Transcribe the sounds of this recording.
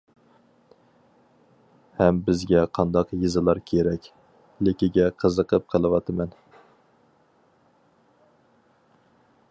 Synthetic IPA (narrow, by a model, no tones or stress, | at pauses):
hɛmbɪzɡʲɛqʰɑnd̪ɑqjizɨlˠɑɾkʲʰeɾɛkʲ | lɪkʲiɡʲɛqʰəzəqʰəp̚qʰəlˠɨwɑt̪ʰɨmɛn